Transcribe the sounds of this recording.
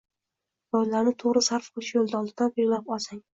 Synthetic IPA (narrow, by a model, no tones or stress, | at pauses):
d̪ɒjlaɾnɪt̪ʰoʁɾɪsaɾfqʰɨlˠɪʃjolˠd̪aɒlˠd̪ɪd̪anbeɾlapɒlˠsaŋ